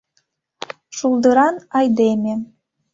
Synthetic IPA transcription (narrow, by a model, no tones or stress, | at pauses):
ʃulˠd̪ɤɾɑnɑjd̪emʲĕ